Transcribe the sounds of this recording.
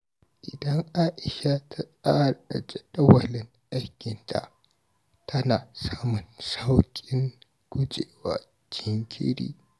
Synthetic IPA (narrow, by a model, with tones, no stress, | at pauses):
ʔɪ˨dɐ˦ŋʔaː˦ʔɪ˨ʃa˦tʰa˦sʼaː˦a˨ʔa˨d͡ʒɛ˦ɗɐ˦wɐ˨lɪ˨ŋʔa˦jkʲɪ˨ntʰa̰˨ʔ | tʰɐ˦naː˨saː˦mʊ˨nsa˦wkʲʼɪ˦ŋ | ɡ̥ʷʊ˦d͡ʒeː˨waː˦ | d͡ʒɪ˦˨ŋkʲʰɪ̰˦ɽḭː˦